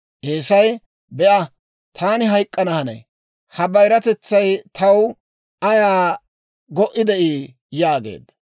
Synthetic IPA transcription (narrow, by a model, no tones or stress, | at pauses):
ʔeːsɐj | bɛʔɐ | t̪ʰaːnɪɦɐjkʼːɐnɐhɐnɐ̰j | hɐbɐjɾɐt̪ɛt͡sːɐjt̪ʰɐw | ɐjaː | ɡɔʔɪd̪ɛʔiː | jaːɡe̞̰ːd̪ːɐ